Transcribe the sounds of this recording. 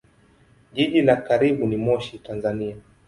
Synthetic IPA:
ʄiʄilakaɾiɓunimɔʃitanzania

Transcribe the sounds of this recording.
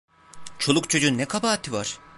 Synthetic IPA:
t͡ʃʰo̞lˠukt͡ʃʰod͡ʒunnɛkʰabaːt̪ʰːivaɾ̥

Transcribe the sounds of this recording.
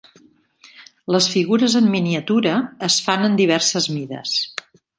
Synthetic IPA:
ləsfiɣuɾəzəmːiniət̪uɾəːsfanənd̪iβ̞ɛrsəzmiðə̰s

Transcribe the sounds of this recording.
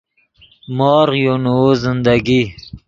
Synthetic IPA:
mɑːɾʁjonuzɪnd̪aɡi

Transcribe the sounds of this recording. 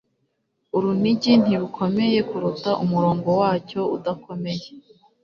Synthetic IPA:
uɾun̥iɟin̥iɾukʰo̞me̞je̞kuɾutaʔumuɾo̞ːŋɡo̞waːco̞ṵdako̞me̞je

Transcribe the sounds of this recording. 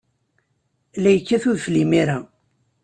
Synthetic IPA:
læjəkːæθuðflimiɾæ

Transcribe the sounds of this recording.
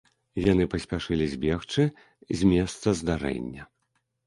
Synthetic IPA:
jan̪ɨpɐsʲpʲaʂɨlʲizʲbʲext͡ʂɨ | zʲmʲɛst̪sɐzd̪aɾɛ̰nʲːɐ

